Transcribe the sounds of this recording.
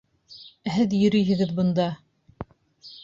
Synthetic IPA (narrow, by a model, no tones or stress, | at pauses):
ɦɘðjɵ̆ɾɵ̆jɦɘ̆ɡɘðbɤ̆nd̪ɑ